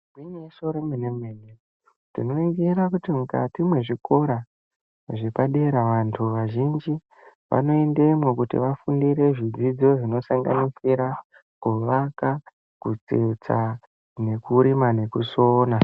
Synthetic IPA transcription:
ɡwiɲesoɾemenemmene | tino̞eɡeɾakutimuka̰timwe̞ʐiko̞ɾa | ʐepaɗe̞ɾaʋantʰuʋaʒind͡ʒi | ʋa̰no̞ende̞mokutḭʋafundiɾe̞ʐid͡zid͡zo̞ʐino̞saŋɡa̰nisiɾa | kuʋaka | kut͡sḛt͡sa | ne̞kuɾimane̞kusoːna

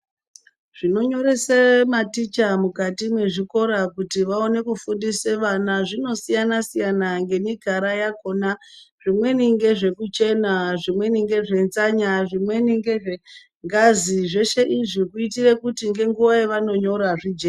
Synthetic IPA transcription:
ʐ̥ino̞ɲo̞ɾe̞sematit͡ʃamukatimwe̞ʐiko̞ɾakutiʋao̞ne̞kufundiseʋanaʐino̞sijanasijanaŋɡe̞miɡʱaɾajako̞na | ʐ̥imwe̞niŋɡe̞ʐe̞kut͡ʃe̞naʐimwe̞niŋɡe̞ʐe̞nzaɲaʐimwe̞niŋɡe̞ʐe | ŋɡaziʐe̞ʃe̞ʔiʐikuitire̞kutiŋɡe̞ŋɡuʋaeʋano̞ɲo̞ɾaʐid͡ʒe

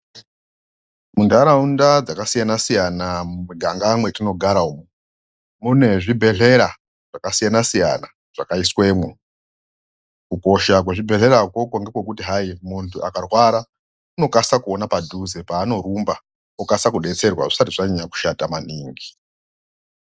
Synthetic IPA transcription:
mundaɾaundad͡zakasijanasijanamuuɡʱaŋɡamwe̞tino̞ɡʱaɾaumu | mune̞ʐibʱe̞ɮe̞ɾa | ʐ̥akasijanasija̰na | ʐ̥akaiswe̞mwe | kuko̞ʃak̬weʐibʱe̞ɮe̞ɾakwo̞koŋɡe̞kwe̞k̬utiɦaimuntʰuʔakarwaɾa | uno̞kasakuonapadʱuzepaːno̞ɾumba | ukasakuɗe̞t͡se̞rwa̰ʐisatiʐaɲaɲaku̥ʃatamaniːŋɡi

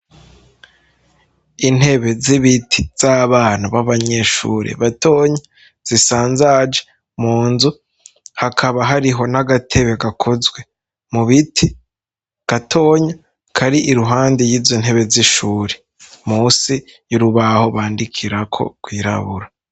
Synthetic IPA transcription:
in̥he̞βe̞ziβitʰi̥z̥aβaːnaβaβaɲe̞ʃṵːɾḛβatʰo̞ɲa | z̥isaːnzad͡ʒe | muːnzu | hakʰaβaɦaɾiɦo̞naɡatʰe̞βe̞ɡakʰozɡwe̞ | muβitʰi | ɡ̥atʰo̞ːɲa | kʰaɾiʔiɾuɦaːndejiːzon̥he̞βe̞ziʃuːɾe | muːsijuɾuβaho̞βaːndikʰiɾakʰo̞̰kwiːɾa̰βuɾa

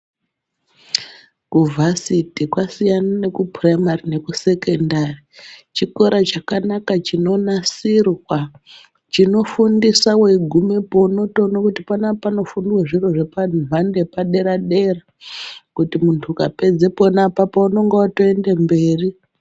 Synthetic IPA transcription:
kuvʱasitikwasijanane̞kuprajmarine̞kuse̞ke̞ndarit͡ʃiko̞ɾat͡ʃakanakat͡ʃino̞nasirwa | t͡ʃino̞fundisaweɡʱumepo̞no̞to̞nokutipanapano̞fundiweʐiroʐe̞panʱande̞paɗe̞ɾaɗe̞ra | kutimuntʰukape̞d͡ze̞ponapapauno̞ŋɡewatoe̞nde̞mbe̞ːri

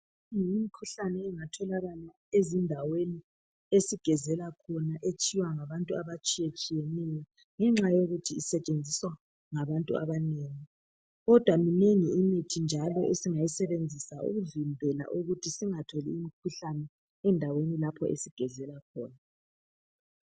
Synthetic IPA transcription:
ŋiimikʰuɬanɛɛŋatʰɔlaɣala | ezindʱaweni | esiɡ̥ʱɛzɛlakʰɔnaʔet͡ʃʼiwaŋaβantʼuaβat͡ʃʼijet͡ʃʼijɛnɛjɔ | ŋɛŋ͡ǁajoɣutʰiːsɛt͡ʃʼend͡zʱiswa | ŋaβantʼua̰βaneːŋi | ɣɔd̥ʱwamineŋiːmitʰind͡ʒʱalɔʔesiŋajisɛβend͡zʱisaṵɣuvimbʱɛla̰ʔuɣutʰisiŋatʰɔliːmikʰuɬanɛ | ɛndʱawenilapʰɔʔḛsiɡ̥ʱɛzɛlakʰɔːna

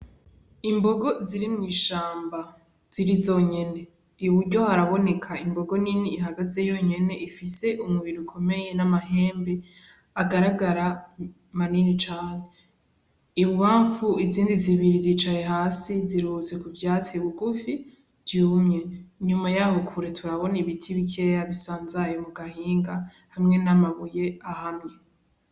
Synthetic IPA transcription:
imbo̞ɡo̞ziɾimŋiːʃaːmba | z̥iɾizoːɲe̞ne̞ | βuɾɟo̞haɾaβo̞ne̞kʰaimbo̞ɡo̞niniːɦaɡaze̞jo̞ɲe̞ne̞ʔifise̞ʔumŋwiɾukʰo̞me̞je̞namaɦe̞ːmbe | aɡaɾaɡaɾa | maninit͡ʃaːɲe | iβuβaːɱfuiziːndiziβiɾizit͡ʃaje̞ɦaːsiziɾuːze̞kuvjaːt͡siβuɡufi | vjuːmɲe̞ɲumajahukʰuɾetʰuwaβo̞niβitʰiβikʰejaβisaːnzajomuɡahiːŋɡa | hamŋe̞namaβuje̞ahamŋe̞

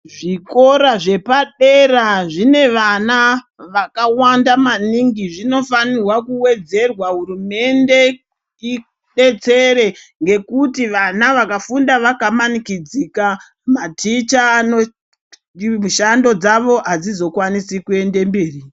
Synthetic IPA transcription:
ʐiko̞ɾaʐe̞paɗeɾaʐine̞ʋana | ʋakawandamaniŋɡiʐino̞fanirwakuwe̞d͡ze̞rwaɦuɾume̞nde̞ | i | ɗe̞t͡se̞ɾe̞ | ŋɡe̞kutiʋanaʋakafundaʋakamanikid͡zika | matʰit͡ʃaːno | muʃando̞d͡zaʋo̞ad͡zizo̞kwanisikue̞nde̞mbiːri

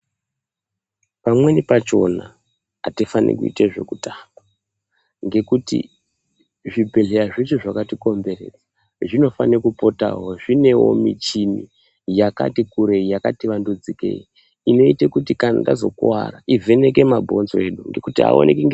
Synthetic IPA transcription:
pamwe̞nipat͡ʃo̞na | a̰tifanḛkuiteʐe̞̰kutaːmba | ŋɡe̞kutḭ | ʐibʱe̞ɮe̞aʐit͡ʃoʐakatiko̞mbe̞re̞̰d͡zḁ | ʐino̞fanekupota̰ɦo̞ʐine̞wo̞̰mit͡ʃini | jaka̰tikuɾe̞ijakatiʋandud͡zike̞̰i | ino̞itekutikana̰nda̰zo̞̰kwa̰ra̰ʔivʱe̞ne̞k̬e̞mabʱo̞nzoe̞ɗuŋɡe̞kutia̰o̰nʔekiŋɡ

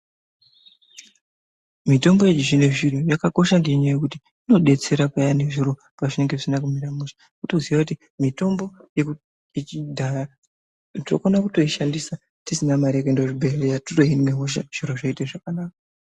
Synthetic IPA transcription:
mito̞mbo̞jet͡ʃiʐine̞ʐirojakako̞ʃaŋɡeɲaje̞kuti | ino̞ɗe̞t͡se̞ɾapajane̞ʐiɾo̞ | paʐine̞ŋɡe̞ʐisinak̬umiɾamuʃḁ | kutoziʋakuti | mito̞mbo̞jeu | it͡ʃidʱara | o̰konakuto̞iʃandisa | tisinamaɾekendoʐibʱelejatuto̞ɦinmeɦoʃ̬a̰ʐ̥iɾo̞ʐaiteʐakanaːka

